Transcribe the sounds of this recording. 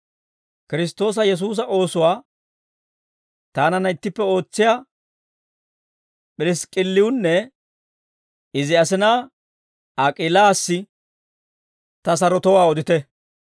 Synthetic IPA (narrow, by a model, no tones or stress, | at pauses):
kɪɾɪs̬t̪o̞ːs̬ɐjɛs̬uːs̬ɐʔo̞ːsʊwaː | t̪aːnɐnːɐɪt̪ːɪpːɛo̞ːt͡sːɪjaː | pʼɪɾɪskʼɪlːɪwʊnːɛ | ɪzɪɐsɪnaː | ɐkʼɪlaːsːɪ | t̪ɐs̬ɐɾɔt̪ɔwaːɔd̪ɪt̪ɛ